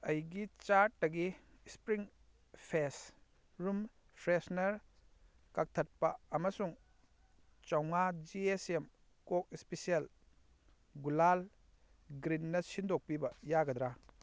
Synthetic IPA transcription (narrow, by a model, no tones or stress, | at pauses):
ɐjɡit͡ʃaɾʈ̚ːɐɡi | spɾiŋ | pʰes | ɾum | pʰɾesnɐɾ | kak̚tʰɐt̚pɐːmɐsuŋ | t͡ʃɐwŋad͡ʒiesem | kok̚ispesiel | ɡulal | ɡɾinːɐsindok̚pibɐjaɡɐd̪ɾa